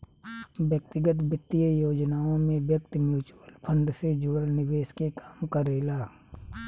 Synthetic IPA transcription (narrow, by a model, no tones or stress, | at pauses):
bjək̚t̪ɪɡət̪bɪt̪ːijəjoːd͡ʒnaːõmẽbjəkt̪mjuːt͡ʃuɾəlpʰə̃nɖ̪sed͡ʒuɽnɪʋeːʃkekaːmkəɾeːlaː